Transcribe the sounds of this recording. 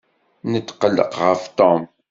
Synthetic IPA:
nət̪ːqəlːə̰qʁəft̪ɔm

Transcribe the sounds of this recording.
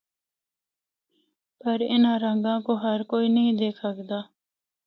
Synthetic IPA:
pɐɾɪ̰nãːɾə̃ŋɡãːkoɦɐɾkoːiːnɐɦĩd̪eːkʰəkd̪aː

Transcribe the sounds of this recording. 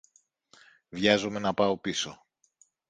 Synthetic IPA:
vʝɐzome̞nɐpɐo̞piso̞

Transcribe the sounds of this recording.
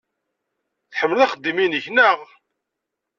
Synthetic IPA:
θħəmːlðæχəd̪ːiminəçnəʁ

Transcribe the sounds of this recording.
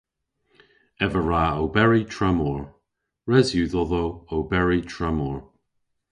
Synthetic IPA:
ɛvəɹaːowbɛɹitʰɹɛmɔɹ | ɹɛzjuːðɔðowowbɛɹitʰɹɛmɔːɹ

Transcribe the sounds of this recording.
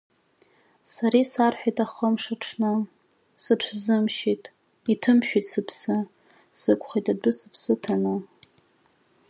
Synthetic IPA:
saɾisarħʷᶣajtʼaχəmʂaʈ͡ʂʰnɨ | sɨʈ͡ʂʰzɨmʃitʼ | itʰɨmʃᶣitsɨpʰsɨ | sɨkʷʼχitʼadʷʊsɨpʰsɨtʰanɨ

